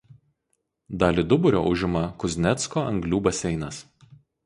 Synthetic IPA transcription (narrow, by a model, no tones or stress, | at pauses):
d̪ɑːlʲiːˑd̪ʊbʊɾʲo̰ːʔʊʒʲɪmɐkʊzʲnʲɛt̪skoːʔɐŋɡlʲuːbɐsʲɛɪnɐs